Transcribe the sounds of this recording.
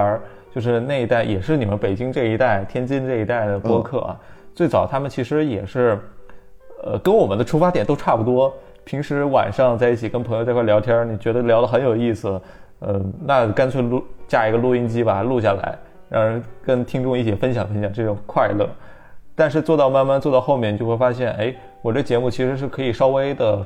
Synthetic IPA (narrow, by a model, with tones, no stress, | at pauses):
t͡ɕjo˥˧ʊʂ̬ɻ̩˥˧na˥˩ɪi˧˥t̪a˥˩ɪjɛ˨˩ʂɻ̩˥˩ni˨˩mə˦npe˨˩ɪt͡ɕi˥ŋʈ͡ʂɤ˥˩i˧˥t̪a˥˩ɪt̪ʰjɛ˥nt͡ɕi˥nʈ͡ʂɤ˥˩i˧˥t̪a˥˩ɪd̪ə˩pwɔ˥kʰɤ̰˥˩ɐ̰˩t͡swe˥˩ɪt͡sɑ˨˩ʊt̪ʰa˥mə˨nt͡ɕʰi˧˥ʂɻ̩˧˥jɛ˨˩ʂɻ̩˥˩ | ə˧kə˥nwɔ˨˩mə˦nd̪ə˧ʈ͡ʂʰu˥fa˥t̪jɛ˨˩nt̪o˥ʊʈ͡ʂʰa˥˩pu˩t̪wɔ˥ | pʰi˧˥ŋʂɻ̩˧˥wa̰˨˩nʂɑ˥˧ŋt͡sa˥˧ɪi˥˩t͡ɕʰi˨˩kə˥npʰŋjt͡skʰwljɑ˧˥ʊt̪ʰjɑ˥ni˨˩t͡ɕɥɛ˧˥d̪ə˧ljɑ˧˥ʊlə˧xə˧˥njo˨˩ʊi˥˩sɹ̩˩ | ə˧˩na˥˩ka˥nt͡sʰwe˥˧ɪlu˥˧t͡ɕja˥˩i˧˥ɡə˧lu˥˩i˥nt͡ɕi˥bɐ˨lu˥˧ɕ̬ja˥˩la̰˧˥ɪɻa˧˥nxo˧˥kə˥nt̪ʰi˥ŋʈ͡ʂʊ˥˧ŋi˥˩t͡ɕʰjɛ˨˩fə˥nɕjɑ˨˩ŋfə˥nɕjɑ˨˩ŋʈ͡ʂɤ˥˩ʈ͡ʂʊ˨˩ŋkʰwa˥˧ɪlɤ̰˥˩ | t̪a˥˧nʂ̬ɻ̩˥˧t͡swɔ˥˧t̪ɑ˥˧ʊma˥˧nma˥˧nt͡swɔ˥˧t̪ɑ˥˧ʊxo˥˧ʊmjɛ˥˩n˨t͡ɕjo˥˧ʊxwfa˥ɕjɛ˥˩ne˥ɪ | wɔ˨˩ə˥˩t͡ɕjɛ˧˥mu˥˩t͡ɕʰi˧˥ʂɻ̩˧˥ʂ̬ɻ̩˥˩kʰɤ˧˥i˨˩ʂɑ˥ʊwe˥ɪd̪ə˨